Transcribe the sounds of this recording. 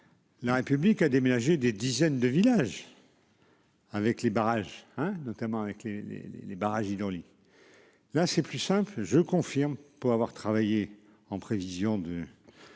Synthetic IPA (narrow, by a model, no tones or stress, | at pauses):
laʁepyblikad̪emenaʒed̪ed̪izɛnd̪əvilaʒ | avɛklebaʁaʒɛ̃nɔt̪amɑ̃avɛklelḛlḛlebaʁaʒid̪ɔʁli | lasɛplysɛ̃plʒəkɔ̃fiʁmpuʁavwaʁt̪χavaje | ɑ̃pχevizjɔ̃d̪ə